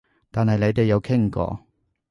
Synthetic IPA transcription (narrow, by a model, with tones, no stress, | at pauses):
t̪aː˨nhɐ˨jne˨˧jt̪e˨jːɐ˨˧wkʰɪ˥ŋkɔ̰ː˧